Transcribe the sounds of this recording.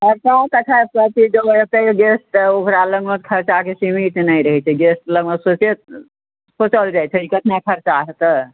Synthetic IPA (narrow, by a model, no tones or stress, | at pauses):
ɔɾkə̃t̪əkʰapɾət̪id͡ʒoet̪ejɡesʈokɾaləɡmət̪̚kʰɐɾt͡ʃakesimiʈnaiɾəɦɛt͡ʃʰɛɡesʈləɡməsot͡ʃet̪ | sot͡ʃəld͡ʒajt͡ʃʰeikət̪ʰnakʰəɾt͡ʃaɦet̪ə